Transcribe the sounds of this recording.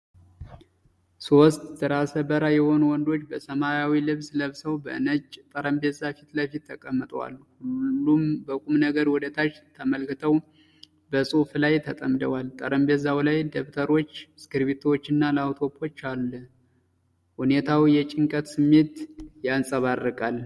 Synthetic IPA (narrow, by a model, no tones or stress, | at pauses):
sost̪ʼzəɾasəbəɾajɛho̞nuwɔnd̪o̞t͡ʃːbəsəmajawilɨβsləβsəwbə̰ɨnəd͡ʒt̪ʼəɾəmbezafit̪ləfit̪ʰːəkʼəmːət̪ʼəwa̰lhulːumbəkʼumnəɡəɾwɔd̪ət̪ʰat͡ʃt̪ʰəməlkɨt̪ʰəw | bəsʼuflajt̪ʰət̪ʼəmd̪əwalt̪ʼəɾəmbezawlajd̪əβt̪ʰəɾo̞t͡ʃːskɨɾβit̪ʰwot͡ʃːɨnːalawt̪ʰopʰo̞t͡ʃːalː | hune̞t̪ʰawijɛt͡ʃʼɪŋkʼət̪sɨmːe̞t̪jansʼəβarːəkʼal